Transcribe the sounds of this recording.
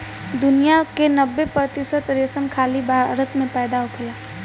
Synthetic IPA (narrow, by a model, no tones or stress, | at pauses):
d̪ʊnijakenəbːepɾət̪ɪsət̪ɾesəmkʰaːlibʱaɾət̪mẽpɛːd̪aʊkʰəlaː